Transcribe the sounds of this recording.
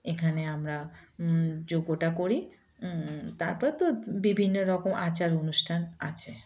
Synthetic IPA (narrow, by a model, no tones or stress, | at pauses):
ekʰaneamɾa | d͡ʑoɡoʈakoɾi | t̪aɾpɔɾet̪obibʱinːoɾɔkomʔat͡ɕaɾonuʃʈʰana̰t͡ɕʰe